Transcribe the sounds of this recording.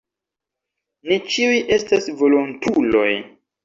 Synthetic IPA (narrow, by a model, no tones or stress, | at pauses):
nit͡ʃiujʔe̞stasvo̞lontʰulo̞̰j